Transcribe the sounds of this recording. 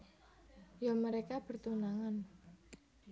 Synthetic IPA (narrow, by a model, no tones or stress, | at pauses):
jaməɾekab̥ə̤rt̪unaŋan